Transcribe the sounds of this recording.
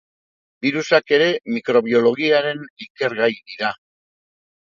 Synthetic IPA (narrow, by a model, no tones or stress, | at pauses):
biɾusake̞ɾe̞mikɾo̞β̞io̞lo̞ɣiaɾe̞nike̞ɾɣajðiɾa